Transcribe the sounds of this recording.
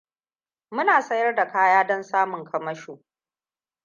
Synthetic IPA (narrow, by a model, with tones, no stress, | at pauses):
mʊ˦naː˨sɐ˦jɐ˦rda˨kaː˦jaː˦dɔ˦nsaː˦mʊ˨ŋkʰɐ˨mɐ˦ʃoː˨